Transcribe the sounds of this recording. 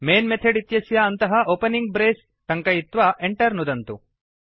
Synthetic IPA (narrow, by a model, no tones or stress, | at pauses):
meːnmet̪ʰeɖit̪jɐsjɐːnt̪ɐɦɐʔoːpɐniŋɡ̚bɾeːs | ʈɐŋkɐjit̪ʋɐʔeɳʈɐɾnud̪ɐnt̪u